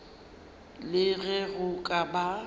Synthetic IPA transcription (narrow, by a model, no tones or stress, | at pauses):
lɪɣɛɣʊkʼaba